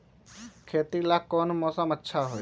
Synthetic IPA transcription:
kʰeːt̪ilakːɔːnmɔːsəmətːʃʰaɦoːj

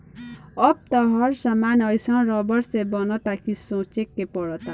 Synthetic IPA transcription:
ʌp̚t̪ʌɦʌɾsamanʌjsʌ̃ɾʌbʌɾsebʌnʌt̪akʰisõt͡ʃekːepɔɽʌt̪a

